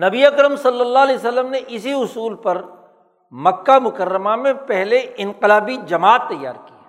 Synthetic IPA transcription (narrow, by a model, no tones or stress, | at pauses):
nɐbiɐkɾəmsɐlːəlːaːɦleːsəlːəmneʔɪsiʊsuːlpɐɾ | mɐkːamʊkəɾːəmamẽpɛɦleɪ̃nqɪlaːbid͡ʒɐmaːt̪ːɐjːa̰ːɾki